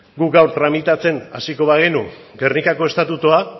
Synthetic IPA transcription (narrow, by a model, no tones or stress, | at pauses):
ɡuɡawɾt̪ɾamit̪at͡se̞na̰siko̞βaɣ̞enu | ɡe̞rnikako̞e̞st̪at̪ut̪ua